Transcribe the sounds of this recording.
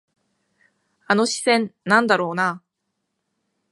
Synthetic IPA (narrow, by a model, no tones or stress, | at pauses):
ano̞ɕi̥sẽ̞nnãnd̪aɾo̞ːna